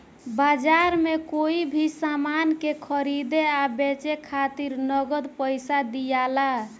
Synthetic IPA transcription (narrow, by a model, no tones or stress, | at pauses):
bad͡ʒaɾmekoibʱisamankekʰəɾid̪eabet͡ʃekʰat̪iɾnəɡəd̪pəjsad̪ijala